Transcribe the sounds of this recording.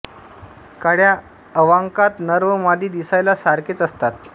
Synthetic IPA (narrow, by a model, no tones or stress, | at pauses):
kaɽja | əʋaŋkat̪nəɾʋəmad̪ʱiːd̪isajlasaɾket͡səst̪at̪̚